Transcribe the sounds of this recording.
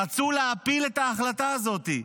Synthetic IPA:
at͡suleapilet̪aːχlataːzo̞t̪i

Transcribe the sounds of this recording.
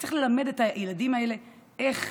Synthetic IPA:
t͡si̥χle̞lame̞detajeladimae̞le̞eχ

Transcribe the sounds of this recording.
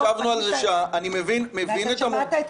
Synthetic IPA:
avnualzeʃaːnimevinmevinet̪am

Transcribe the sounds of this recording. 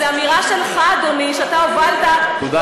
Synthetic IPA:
eamiʁaʃe̞lχad̪oniʃeat̪aovalt̪aud̪a

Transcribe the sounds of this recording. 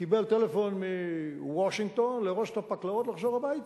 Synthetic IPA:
kibe̞lt̪e̞lefo̞nmiwoʃiŋɡ̚t̪o̞nleʁoʃet̪apaklaot̪laχʃoʁhabait̪

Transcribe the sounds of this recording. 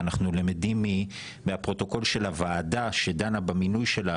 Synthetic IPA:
anaχnulemed̪imːi | meapʁo̞t̪o̞ko̞lʃe̞lavaːdaʃe̞d̪anabaminujʃe̞la

